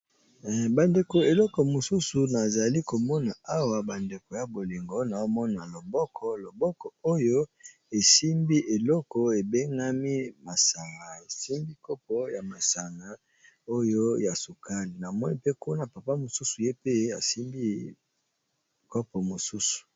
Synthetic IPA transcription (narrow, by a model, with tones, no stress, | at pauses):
ba˨nde˨ko˨e˨lɔ˦kɔ˨mo˨su˦su˨na˨za˨li˦ko˨mɔ˦na˨a˦wa˨ba˨nde˨ko˨ja˨bo˨li˨ŋɡo˦na˨o˦mɔ˦na˨lo˨bɔ˦kʰɔ˦lo˨bɔ˦kɔ˨o˦jo˦ | e˨si˦mbi˦ʔe˨lɔ˦kɔ˨e˨be˦ŋɡa˦mi˦ma˨sa˨ŋa˨e˨si˦mbi˦kɔ˦pɔ˦ja˨ma˨sa˨ŋa˨˦ | o˦jo˦ja˨su˨ka˦li˨na˨mɔ˦ni˦pe˦ko˦na˨pa˨pa˦mo˨su˦su˨je˦pe˦a̰˨si˦mbi˦ | kɔ˦pɔ˨mo˨su˦su̥˨